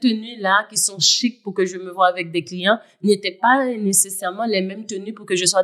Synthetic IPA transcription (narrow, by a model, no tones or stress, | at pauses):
t̪ənylakʲisɔ̃ʃik̚puʁkəʒəməvwaːvɛk̚d̪ɛklijɑ̃ | net̪ɛpanesesɛʁmɑ̃lɛmɛmt̪ənypuʁkəʒəswa